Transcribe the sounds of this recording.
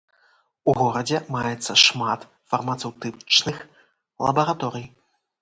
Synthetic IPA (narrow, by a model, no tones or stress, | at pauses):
uɣɔɾɐd͡zʲɛmajɛt̪sːɐʂmat̪ | fɐrmɐt̪sɛwt̪ɨt͡ʂnɨx | lˠɐ̰bɐɾat̪ɔɾɨj